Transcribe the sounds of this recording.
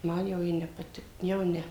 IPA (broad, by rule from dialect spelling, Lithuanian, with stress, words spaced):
ˈmɐn jɛʊ ˈjɪ nʲɛ pɐˈtʲɪk jɛʊ ˈnʲɛ